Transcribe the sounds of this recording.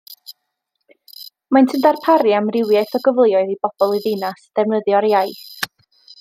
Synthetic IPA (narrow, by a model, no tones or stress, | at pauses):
mantʰəndarpʰaɾjamrɪwjajθɔɡəvlˠjɔɨðib̥ɔb̥ɔlˠiðɪnasd̥ɛvnəðjɔɾjajθ